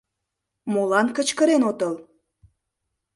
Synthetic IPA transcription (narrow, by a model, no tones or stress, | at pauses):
molɑnkə̆t͡ɕkəɾenot̪əl